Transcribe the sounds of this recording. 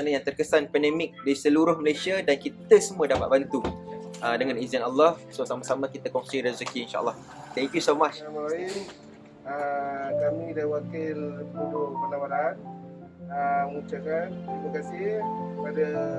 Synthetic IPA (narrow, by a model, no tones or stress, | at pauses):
anajaŋt̪ərkəsanpɛndɛmɪk̚disəluɾʊhməlesiadankit̪əsəmuədapat̪̚bant̪uədəŋãnizənalːasosamasamãkit̪akɔŋsiɾazəkiːnʃa̰ʔə̰lˠːɑh | t̪ɛŋkjusomat͡ʃamabaɪ | əkamĩdawakɪlbudʊpalamaɾaan | əməut͡ʃakankɾimakasɪkəpada